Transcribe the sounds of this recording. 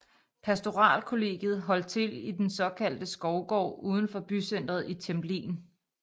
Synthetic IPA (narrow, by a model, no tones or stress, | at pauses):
pʰæsd̥o̝ʁɑ̰̈ːlkʰo̝le̝̰ːɡ̥jð̞̩ˠɦɒ̽l̰d̥̚t͡sʰe̝lid̥ensɒ̽kʰæl̰d̥əsɡ̥ɒʊɡ̥ɒ̰ːuːð̞ˠn̩fɒ̽b̥ysen̰d̥ʁɐð̞̩ˠit͡sʰemblḭːn